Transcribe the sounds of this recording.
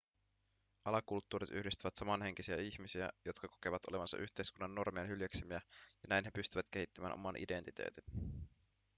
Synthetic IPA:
ʔɑlɑkult̪ːuːɾit̪y̰hdist̪yʋæt̪sɑmɑnɦe̞ŋ̟k̟isiæiçmisiæ̰jo̞t̪kɑko̞keʋæt̪ole̞ʋɑnsɑ̰ʔyhʲt̪e̞jskunːɑnːo̞rmienɦyljæksimiæjɑnæjnɦe̞pyst̪yʋæt̪ke̞hit̪ːæmæːnʔo̞mɑnʔḭde̞nt̪it̪ḛːt̪in

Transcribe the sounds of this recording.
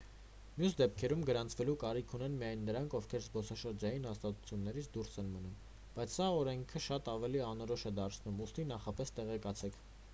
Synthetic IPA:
mjusd̪ɛp̚kʰɛɾumɡəɾɑnt͡sʰvɛlukɑɾikʰunɛnmijɑjnːəɾɑŋkʰɔfkʰɛɾzbɔsɑʃəɾd͡ʒɑjinhɑst̪ɑt̪u̥t͡sʰjunːɛɾit͡sʰd̪uɾsɛnmənum | b̥ɑjt͡sʰsɑɔɾɛŋkʰəʃɑt̪ɑvɛliɑnɔɾɔʃɛd̪ɑɾt͡sʰnumust̪inɑχɑpɛst̪ɛʁɛkɑt͡sʰɛkʰ

